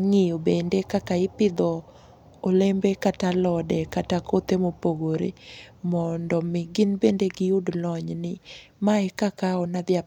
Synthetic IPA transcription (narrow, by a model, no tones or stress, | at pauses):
ŋɪobendekakaɪpɪd̪ɔ | olembekatalɔdɛkatakot̪emopoɡoɾḛmɔndɔmɪɡɪnbendeɡɪudlɔɲnɪ | maɛkakaɔnad̪ɪja